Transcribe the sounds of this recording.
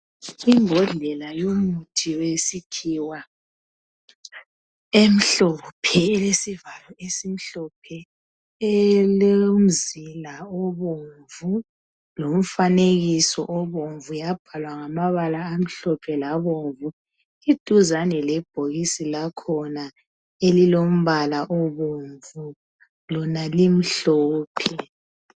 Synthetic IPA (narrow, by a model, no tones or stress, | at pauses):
imbʱɔɮɛlajomutʰiwesikʰiwa | em̩ɬɔpʰɛɛlesivalɔesim̩ɬɔpʰɛ | ɛlom̩zilaɔβoɱvu | lom̩faneɣisɔ̰ʔɔβoɱvujab̥ʱalwaŋamaβalaːm̩ɬɔpʰɛlaβoɱvu | id̥ʱuzanɛlɛb̥ʱoɣisilakʰɔna | elilom̩βalaʔɔβoɱvu | lɔnalim̩ɬɔːpʰɛ